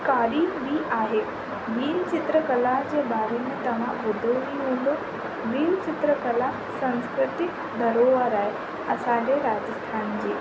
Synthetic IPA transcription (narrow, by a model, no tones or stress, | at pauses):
kaːɗibiʔaːɦeː | biːlt͡ɕɪt̪ɾəkɐlaɦd͡ʑeːɓaːɾemẽt̪ɐʋ̤ãbʊd̪ʱoʋĩɦũːn̆d̪o | biːlt͡ɕɪt̪ɾəkɐla | sɐ̃nskɾɪt̪ɪk | d̪ɐɾoːʋəɾaːɦe | ɐsãːɲd͡ʑeɾaːd͡ʑəst̪ʰaːnd͡ʑeː